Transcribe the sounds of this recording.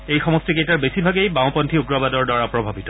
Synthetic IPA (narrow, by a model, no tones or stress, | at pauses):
ejxɔmɔstikejtaɹbesibʱaɡejbaw̃pɔntʰiuɡɹɔbadɔɹdwaɹapɹɔbʱabitɔ